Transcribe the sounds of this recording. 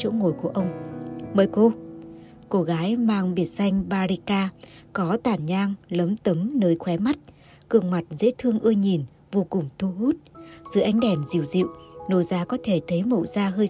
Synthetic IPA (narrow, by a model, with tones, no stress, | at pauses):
o̰˧˥ŋo˨˩jku˧˩əʔə˧wŋ͡mməː˨˩jko˧ | ko˧ɣaː˨˦jmaː˧ŋɓi˨˧˩ət̚sa˧jŋ̟ɓaː˧ɾi˧kaː˧kɔ˨˦t̪aː˨˩nɲaː˧ŋləː˨˦mt̪ə˨˦mnəː˨˦jxwɛ˨˦ma˦˥t̚ | kɨ˨˧˩əŋma˨˩t̚zḛ˧˥t̪ʰɨ˧əŋʔɨ˧əjɲi˨˩n | vo˧kʊ˨˩ŋ͡mt̪ʰu˧ɦu˦˥t̚zɨ̰˧˨ʔa˨˦jŋ̟ɗɛ˧˩mzḭ˧əwzḭ˧˨wno˧˩jzaː˨˦kɔ˨˦t̪ʰe˧˩t̪ʰə˨˦jmo̰˧˨zaː˧ɦəː˧